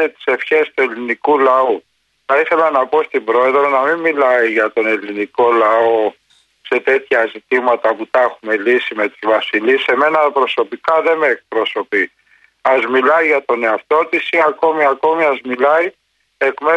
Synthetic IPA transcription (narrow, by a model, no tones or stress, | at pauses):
et̪i̥se̞fçe̞st̪ue̞linikulɐu | θɐiθe̞lɐnɐpo̞st̪ibɾo̞e̞ðɾo̞nɐmimmːilɐiʝɐt̪o̞ne̞liniko̞lɐo̞ | se̞t̪e̞t̪çɐzit̪imɐt̪ɐput̪ɐxume̞lisime̞t̪uzvɐsilise̞me̞nɐpɾo̞so̞pikɐðe̞meːk̚pɾo̞so̞pi | ɐzmilɐiʝɐt̪o̞ne̞ɐft̪o̞t̪isiɐko̞miɐko̞miɐzmilɐi | e̞kme